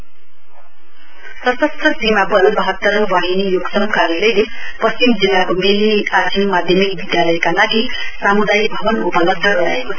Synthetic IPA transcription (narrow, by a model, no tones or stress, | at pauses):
sʌsʌst̪rʌsimabʌnbʌɦʌt̪ːʌɾwaɦinijoɡsʌmkarjʌlʌjlepʌst͡ɕimd͡zelakomiliat̪ʰimmad̪ʱjʌmik̚bid̪jalʌjkalaɡisamud̪ajbʱʌbʌnupʌlʌt̪ʌɡʌɾa̰ekosʰ